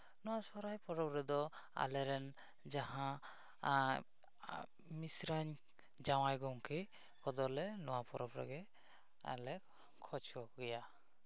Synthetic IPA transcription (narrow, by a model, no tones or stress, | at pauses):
nɔwasɔɾajpɔɾɔpɾɛd̪ɔ | a̰lɛɾɛn | d͡ʒaɦã | misɾaɲ | d͡ʒawajɡɔŋkʰi | kɔd̪ɔlɛnɔwapɔɾɔpɾɛ̰ɡɛ | a̰lɛ | kʰɔt͡ʃʰɔkɡɛja